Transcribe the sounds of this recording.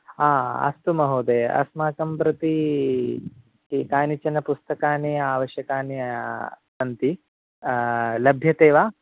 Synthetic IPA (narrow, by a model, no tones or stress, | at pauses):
aːɐ̰st̪umɐɦoːd̪eːɐ̰smaːkɐmpɾɐt̪i | kikaːnit͡ʃɐnɐpust̪ɐkaːneːaːʋɐʃjɐkaːne | ɐnt̪i | lɐbʱjɐt̪eːʋaː